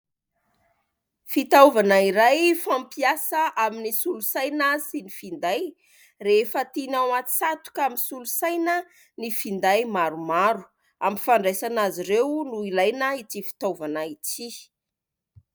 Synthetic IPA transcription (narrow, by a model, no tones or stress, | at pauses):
fit̪auvanaiɾajfampiasəʔaminisulusajnəsinifind̪aj | refət̪inawat̪i̥sat̪u̥kaminsulusajnə | nifind̪ajmaɾumaɾu̥ | amifaɳɖ͡ʐajsanaziɾewnuilajnəitifi̥t̪avanait͡si